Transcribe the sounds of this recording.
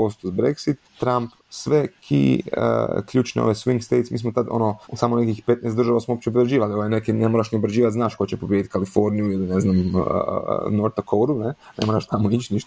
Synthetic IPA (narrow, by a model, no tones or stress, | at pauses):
ost̪uzbɾḛksit̪ː | ɾamp | sʋekʰḭə̰kʎuːt͡ʃneo̰ʋesʋiŋɡst̪ejt̪smiːsmot̪ad̪o̰nosamonekixpe̞t̪nɛːst̪d̪ɾʒaʋasmoopt͡ɕebɾeʒiːʋalioʋejnekinemoɾaʃniobɾed͡ʑiːʋat̪znaːʃko̞t͡ɕepobʲjed̪it̪kalifo̞ɾnijuilineznam̰ | noɾt̪akʰowɾunenemoɾaʃt̪amoit͡ʃniʃt̪o